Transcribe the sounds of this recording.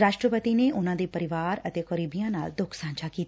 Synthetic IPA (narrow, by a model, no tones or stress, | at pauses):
ɾaːʃʈɾəpət̪ineʔʊnãd̪epəɾɪʋaːɾət̪ekɔɾibijãna̰ːld̪ʊkʰsãːnt͡ʃʰakiːt̪